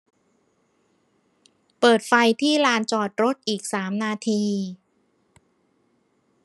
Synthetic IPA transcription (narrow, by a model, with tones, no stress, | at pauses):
pɤː˨˩t̪̚fa˧jt̪ʰiː˥˩ɾaː˧nt͡ɕɔː˨˩t̪̚ɾo˦˥t̪̚ʔiː˨˩k̚saː˩˦mnaː˧t̪ʰiː˧